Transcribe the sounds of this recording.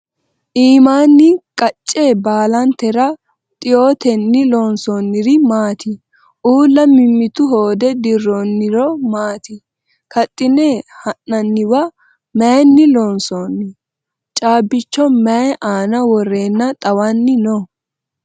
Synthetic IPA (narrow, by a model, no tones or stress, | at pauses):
ʔiːmaːnːɪkʼɐt͡ʃʼːebaːlɐnt̪ɛɾɐ | t̪ʼɪjoːt̪ɛnːɪlɔːnsɔnːɪɾɪmaːt̪ɪ | ʔuːlːɐmɪmːɪt̪ʊɦoːd̪ɛd̪ɪrːɔnːɪɾɔmaːt̪ɪ | kʰɐt̪ʼːɪnehɐnːɐnːɪwɐ | mɛnːɪlɔːnsɔːnːɪ | t͡ʃʼaːbːɪt͡ʃːɔmɛɛʔaːnɐwɔrːe̞ːnːɐt̪ʼɐwɐnːɪnɔ